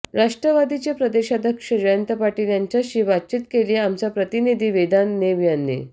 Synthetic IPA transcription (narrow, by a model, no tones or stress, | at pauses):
ɾaʂʈɾəʋad̪it͡ɕjapɾəd̪eɕad̪ʱjəkʂəd͡ʑəjənt̪əpaʈiːljaɲt͡ɕjaɕiʋat̪̚t͡ɕiːt̪kelieamt͡sapɾət̪inid̪ʱiːʋed̪anːeʋjanːḛ